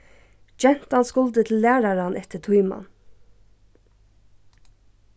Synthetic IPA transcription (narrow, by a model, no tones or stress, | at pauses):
d͡ʒɛn̥t̪ɑnskʊld̪ət̪ʰl̩læːɾɑɾɑnʔɛt̪ət̪ʰujmɑ̰n